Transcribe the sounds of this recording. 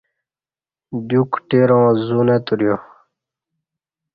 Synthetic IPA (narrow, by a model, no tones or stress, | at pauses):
b̪jukʈeɾõːzunet̪uɾijo